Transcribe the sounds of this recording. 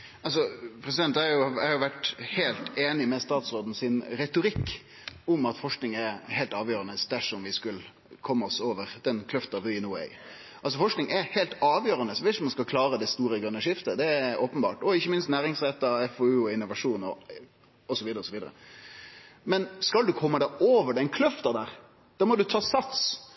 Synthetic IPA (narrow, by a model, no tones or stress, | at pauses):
ɑls̬ɔpʰɾɛs̬ɪd̪ɛnt̪æɾjʊæhɑjʊʋæʈheːlt̪eːnɪmɛst̪ɑːt̪sɾoːd̪n̩sɪnɾɛt̪ʊɾɪkː | ʊmɑt̪fɔʂknɪŋɛɾhɛɪlt̪ɑːʋjøːɾɑnəsd̪æʂɔmʋɪskʉl | kʰɔmːəɔsoːʋəɾd̪̥ɛnkʰlʉft̪ɑʋɪɪnʊːɛ̰ɪ | ʔɑlsɔfɔʂknɪŋɛhɛɪlt̪ɑːʋjøːɾɑnəsɔʋɪʃɔmːɑnskɑlkʰlɑːɾəd̪ɛst̪uːɾəɡɾʉnːəʂɪft̪əd̪ɛæɾoːpənbɑ̰ːʈɔɪçːəmɪnst̪næːɾɪŋsʁɛt̪ːɑɛfoʉːɔɪnːʊʋɑʂuːnɔ | ɔsɔʋiːd̪əɾəɔsɔʋiːd̪əɾə̰ | mɛnskɑld̪ʉkʰɔmːəd̪ɛoːʋəɖɛnkʰlœft̪ɑd̪æːɾ | d̪̥ɑːmɔd̪ʉt̪ʰɑːsɑt̪s